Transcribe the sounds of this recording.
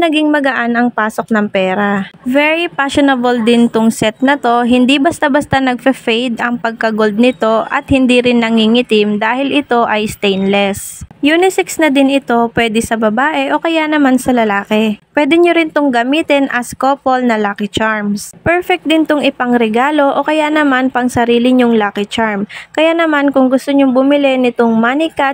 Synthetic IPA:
nɐɡiŋmɐɡɐʔanɐŋpaːso̞k̚nɐŋpɛːɾavɛɹipaʃonɐbold̪ɪnt̪ʊŋsɛt̪̚nɐt̪o̞ɦɪnd̪ibɐst̪abɐst̪anɐɡ̚fɐfɛjd̪ʔɐŋpɐɡ̚kɐɡo̞ld̪̚nɪt̪o̞ʔɐ̰t̪̚hɪnd̪iɾɪnːɐŋiŋɪt̪ɪmd̪aːhɪlʔɪt̪o̞ʔɐjst̪ɛjnlɛsjuːnɪsɪksnɐd̪ɪnɪt̪o̞pwɛːd̪ɛsɐbɐbaːʔɛʔo̞kɐjanɐmansɐlɐlaːkɛpwɛːd̪ɛɲoɾɪnt̪ʊŋɡɐmiːt̪ɛnʔɐskopolnɐlaːkɪt͡ʃaɹmspɛɹfɛk̚t̚d̪ɪnt̪ʊŋʔɪpɐŋɾɛɡaːlo̞ʔokɐjanɐmanpɐŋsɐɾiːlɪɲʊŋlaːkɪt͡ʃaɹmkɐjaʔnɐmankʊŋɡʊst̪oɲoŋbʊmɪlɛnɪt̪oŋmanɪka

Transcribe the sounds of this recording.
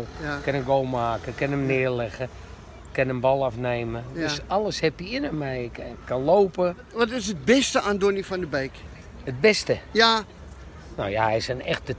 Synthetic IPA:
lˠkənənɡoːlˠmaːkəkɪnəmnɪərlɛɣə | kɪnənbɔlˠafneːmədøsaləshɛpjəɪnəmɛjkaloːpə | ʋɔtɪsət̚bɪstəʔandonəfɔndəbejk | ət̚bɛstəja | nojaɛjsənɛxtdə

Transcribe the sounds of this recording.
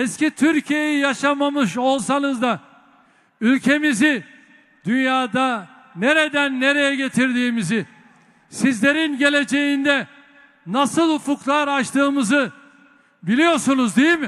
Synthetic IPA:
ɛscit̪ʰyɾcʰije̞jijaʃamamɯʃo̞lˠsanɯzd̪a | ylʲcʰe̞mizi | d̪ynjaːd̪a | ne̞ɾed̪ænːe̞ɾe̞jɛɟe̞t̪ʰiɾd̪iːmizi | sizlʲe̞ɾinɟe̞lʲe̞d͡ʒe̞jind̪ɛ | nasɯlˠhufuklˠaɾat͡ʃt̪ʰɯːmɯzɯ | bilʲijo̞ɾsunuzd̪ejilmɪ

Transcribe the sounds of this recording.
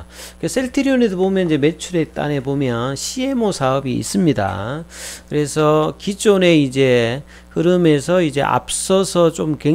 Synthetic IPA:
kesʰeɭtʰiɾionedobomjʌnid͡ʑe̞me̞t͡ɕʰuɾe̞t͈a̰ne̞bomjʌnɕʰie̞mosʰaʌbḭːs͈ɯmɲida̰kɯɾe̞sʰʌkid͡ʑone̞id͡ʑe̞ | hɯɾɯme̞s̬ʰʌid͡ʑe̞̰ʔa̰p̚s͈ʌsʰʌt͡ɕomke̞

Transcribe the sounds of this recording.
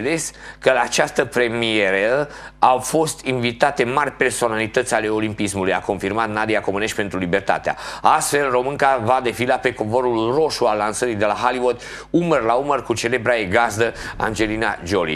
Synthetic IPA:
leskəlaːt͡ʃast̪əpɾe̞mie̞ɾeəawfo̞st̪invit̪at̪e̞marʲpe̞rso̞nalit̪ət̪sʲale̞o̞limpismuluja̰ko̞nfirmat̪nad̪iako̞mɨne̞ʃt̪ʲpe̞nt̪ɾulibe̞rt̪a̰t̪ea̰ast̪fe̞lro̞mɨŋkavad̪e̞filape̞kovoɾulro̞ʃualːansəɾid̪e̞laɦaliwud̪ | umərlaumərkut͡ʃe̞le̞bɾaeɡazd̪əa̰nd͡ʒe̞lina̰d͡ʒo̞lḭ

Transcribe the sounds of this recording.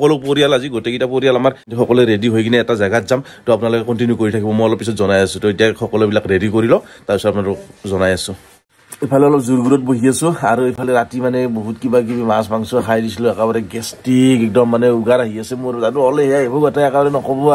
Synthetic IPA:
ɔkɔlopoɹialaziɡotekitapoɾijalamaɹtixʰɔkɔlɛɹediɦojkinɛːtazaɡatzam | tɔapunalokɛkɔntinjukoɹitʰakibɔmojɔlɔpisɔtzɔnajasũtɔetijaxʰɔkɔlobilakɹedikoɹilɔtaɹbisɔapnaɾɔzɔnajasʊ̃ | ejpʰalɛɔlɔpzuɹɡuɹɔt̚boɦiasʊaɹuejpʰalɛɹatimanɛboɦutkibakibimasbaŋsuaxʰajdisilɔɛkabaɾɛɡɛstikɛk̚dɔmːanɛuɡaɾaɦiasɛmozatuɔleɦɛjaebɔɡatajɛkabaɾɛnɔkɔbɔ

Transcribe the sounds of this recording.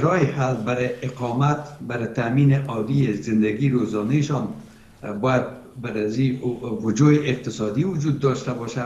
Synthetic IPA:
ɾɒjɪhalbaɾɪɪqɒmat̪baɾɪt̪aminɪʔɒd̪iezɪnd̪aɡiɾozɔneʃɔn | bɔjad̪̚ | baɾaziwʊd͡ʒoɪʔɪq̚t̪ɪsɒd̪iwʊd͡ʒud̪̚ːɒʃt̪abɔʃa

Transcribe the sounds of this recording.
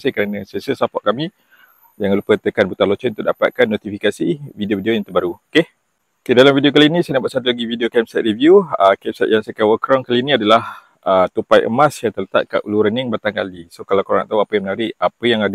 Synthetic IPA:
səkəɾanasiasəsapɔʔ̚kami | jaŋlupət̪əkanbut̪alɔt͡ʃɛnunt̪ṵʔdapat̪̚kanːot̪ifikasividiovideojaŋt̪əbaɾuoke | okedalamvidiok̬alinisajnaʔbaʔsat̪̬ulaɡividiokɛmsɛt̪̚ɾivjuəkɛmsɛ̰t̪̚jaŋsakawəkɾɔŋkaliniadalah | ət̪upajʔə̰mãsjaŋt̪ərlət̪a̰t̪̚ka̰ʔuluɾənɪŋbat̪aŋka̰lisokalawkoɾ̰a̰ŋt̪auapəjaŋmənaɾiʔapəjaŋad

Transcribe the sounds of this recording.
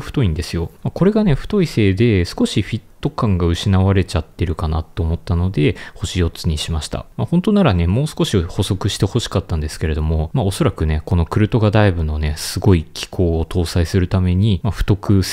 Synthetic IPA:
ɸɯ̟̥t̪o̞ĩnd̪e̞sɨjo̞mako̞ɾe̞ɡane̞ɸɯ̥t̪o̞ise̞ːd̪e̞sɨ̥ko̞ɕiɸʲit̪ːo̞kãŋɡaɯ̟ɕinaβaɾe̞t͡ɕat̪ːe̞ɾɯ̟kana̰t̪ːeːmo̞t̪ːano̞d̪e̞ho̞ɕijo̞t͡sɨɲ̟iɕimaɕi̥t̪a̰mahõ̞nt̪o̞naɾane̞mo̞ːsɨ̥ko̞ɕiho̞so̞kɯ̟ɕi̥t̪e̞ho̞ɕi̥kat̪ːãnd̪e̞sɨ̥ke̞ɾe̞d̪o̞mo̞mao̞so̞ɾakɯ̟ne̞ko̞no̞kɯ̟ɾɯ̟t̪o̞ɡad̪aibɯ̟no̞ne̞sɨɡo̞ikʲʰi̥kʰo̞ːt̪ʰo̞ːsaisɨɾɯ̟t̪ame̞ɲ̟imaɸɯ̟̥t̪o̞kɯ̟s

